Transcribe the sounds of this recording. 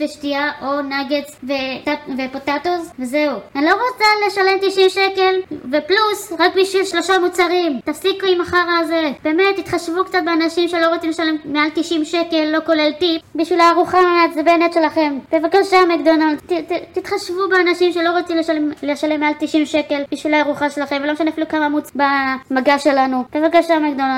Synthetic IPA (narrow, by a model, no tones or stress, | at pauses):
veʃtiaʔonaɡet͡svevepot̪at̪ozvezeuanlo̞ʁot͡sale̞ʃale̞mt̪iʃimʃeke̞lveplusʁakbiʃvilʃlo̞ʃamut͡saʁimt̪afsikuimaχaʁazeb̥e̞ːme̞t̪ːit̪χaʃvukt͡sat̪̚beanaʃimʃe̞lo̞ʁot͡simleʃalemːealt̪iʃimʃeke̞lːo̞ko̞leltipbiʃvilaaʁuχamat̪zebenet̪ʃelaχe̞mb̥evakaʃamekd̪onalt̪t̪it̪χaʃvubeanaʃimʃelo̞ʁot͡simleʃalemleʃalemːealt̪iʃimʃeke̞lbiʃvilaːʁuχaʃelaχemveloeʃaneafilukamamut͡sbamaɡaʃe̞lanub̥e̞vakaʃamekd̪onal